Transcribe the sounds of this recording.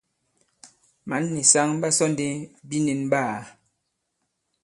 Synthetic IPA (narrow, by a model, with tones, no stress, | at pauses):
ma˨˦nːe˨sa˦ŋ˦ba˦sɔ˦nde˦bi˦ne˨nbaː˦˨